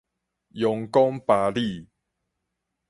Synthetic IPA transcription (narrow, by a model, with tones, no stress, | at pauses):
jɔ˨ŋkɔ˦ŋpa˨˦li˥˨